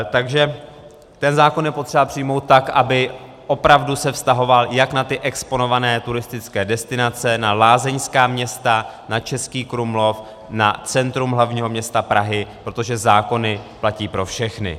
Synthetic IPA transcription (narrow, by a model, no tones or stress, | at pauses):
t̪aɡʒɛ | t̪ɛnzaːko̞njɛpo̞t̪r̝̥ɛbapr̝̥ɪjmo̞wt̪̚ːakʔabɪ | ʔo̞pɾavdusɛfst̪aɦo̞valjaknat̪ɪʔɛkspo̞no̞vanɛːt̪uɾɪst̪ɪt͡skɛːdɛst̪ɪnat͡sɛnalaːzɛɲskaːmɲɛst̪a | nat͡ʃɛskiːkɾumlo̞f | na̰t͡sɛnt̪ɾumɦlavɲiːɦo̞mɲɛst̪apɾaɦɪpɾo̞t̪o̞ʒɛzaːko̞nɪplaciːpɾo̞fʃɛxnɪ̰